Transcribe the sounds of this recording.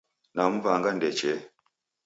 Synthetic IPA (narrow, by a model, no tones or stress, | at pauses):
nam̩vaŋɡandɛt͡ʃɛ